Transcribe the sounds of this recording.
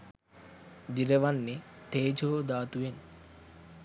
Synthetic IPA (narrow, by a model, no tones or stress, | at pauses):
d͡ʒiɾeʋanːit̪eːd͡ʒoːd̪aːt̪uʋen